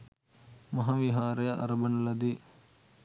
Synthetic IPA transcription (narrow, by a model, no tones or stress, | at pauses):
mɐɦɐʋiɦaːɾɐjɐʔɐ̰ɾɐbɐnɐlɐd̪i